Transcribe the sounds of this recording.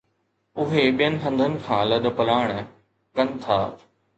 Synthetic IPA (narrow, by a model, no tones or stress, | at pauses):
ʊɦeɓijənɪ̆ɦɐ̃nd̪ʱənɪ̆kʰãːlɐɗ̆pɐlaːɽ̃ | kɐnɪ̆t̪ʰaː